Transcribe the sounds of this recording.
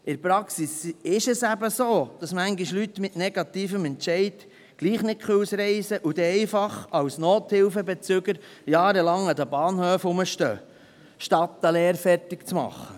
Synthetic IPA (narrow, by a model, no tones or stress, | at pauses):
ɪɾpɾɑksisɪʃəsæbəsoːd̪̥ɑsmæŋɡiʃlyt̪mɪtnɛɡ̥ɑt̪iːfəmɛnt͡ʃɛɪd̥ | ɡ̥liːχnɪt̚kʰχøwsɾɛɪsəʔud̪ɛɛɪfɑχɑwsnoːt̪hɪlfəbɛt͡sʏɡəɾ | jɑːɾəlɑŋɑd̪əbɑːnhøːfʊməʃtø̰ː | ʃtɑt̪ːəleːɾfɛrtɪkt͡smɑ̰χːə